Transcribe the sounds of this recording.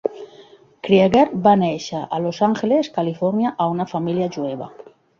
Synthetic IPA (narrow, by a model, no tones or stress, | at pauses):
kɾiaɣaɾbaneʃaʔalosaŋxeleskalifoɾnjaʔaunafamiljaʒueβa̰